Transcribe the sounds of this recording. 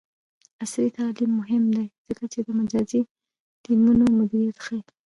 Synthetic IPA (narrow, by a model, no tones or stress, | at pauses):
asɾit̪ɑlimːʊɦɪmd̪ajz̥əkat͡ʃed̪əmad͡ʒɑzi | t̪imunomʊd̪iɾijat̪xa